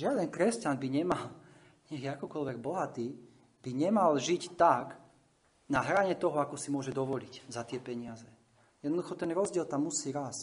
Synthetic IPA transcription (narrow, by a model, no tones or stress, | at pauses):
ʒɪad̪ɛnkɾɛscanbiɲɛmal | ɲɛxjɛakɔkɔlʋɛɡ̚bɔɦat̪iː | b̥iɲɛmalʒict̪ak | naɦɾaɲɛt̪ɔɦɔakɔsimʊɔʒɛd̪ɔʋɔliczat̪ɪɛpɛɲɪazɛ | jɛd̪nɔd̪uxɔt̪ɛnɾɔzɟɪɛlt̪amːusiːɾas